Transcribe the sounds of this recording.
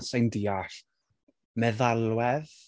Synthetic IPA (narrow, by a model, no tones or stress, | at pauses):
sajndiːaɬ | mɛðalˠwɛð